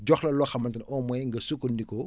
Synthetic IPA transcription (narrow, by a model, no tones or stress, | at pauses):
ɟɔxlɐlɔxɐmɐntɐnɔmɔjŋɡɐsukːundikɔ